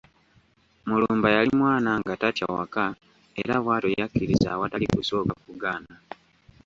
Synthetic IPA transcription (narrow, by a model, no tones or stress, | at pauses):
muluːmbajalimwaːnaŋɡataca̰wa̰ka | eɾaβwaːtojakːiɾiza̰watalikusokakuɡaːna